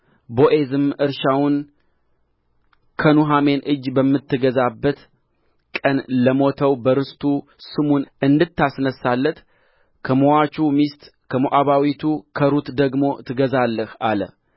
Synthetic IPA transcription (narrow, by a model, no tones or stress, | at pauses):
bo̞ʔe̞zɨmɨɾʃawʊn | kʰənuɦame̞nʔɨd͡ʒbəmːɨt̪ʰːɨɡəzabːət̪ | kʼənləmo̞t̪ʰəwbəɾɨst̪ʰu | sɨmunʔɨnd̪ɨt̪ːasnəsalːət̪ | kʰəmowat͡ʃumist̪ | kʰəmoʔaβawit̪ʰukʰəɾut̪d̪əɡmo̞t̪ʰɨɡəzalːəhalə̰